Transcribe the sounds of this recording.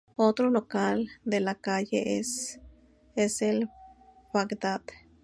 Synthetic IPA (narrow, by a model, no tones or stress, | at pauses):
ot̪ɾolokald̪elakajḛʔes | esel | bakd̪at̪